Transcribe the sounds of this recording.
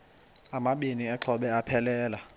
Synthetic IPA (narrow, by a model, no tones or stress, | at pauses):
amaɓiniɛǁʰɔɓɛapʰɛlɛːla